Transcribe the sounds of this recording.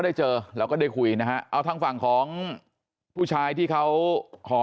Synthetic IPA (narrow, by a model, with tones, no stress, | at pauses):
da˥˩jt͡ɕɤː˧ɾɛː˦˧˥kɔː˥˩da˥˩jkʰu˧jna˦˥kʰa˦˥ʔa˧wt̪ʰa˦˥˩ŋfa˨˩ŋkʰɔː˩˦ŋ | pʰuː˥˩t͡ɕʰaː˧jt̪ʰiː˥˩kʰa˦˥wkʰɔː˩˦